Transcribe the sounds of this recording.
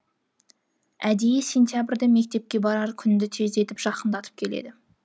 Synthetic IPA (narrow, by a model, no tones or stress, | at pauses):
æd̪ejese̞nt̪jabɪɾd̪eme̞k̚ʲt̪e̞p̚kʲe̞bɑɾɑɾkʲʰʏnd̪ɪt̪ʰe̞ze̞t̪ɪpʒ̥ɑqənd̪ɑt̪ʰə̥p̚kʲʰe̞le̞̰d̪ɪ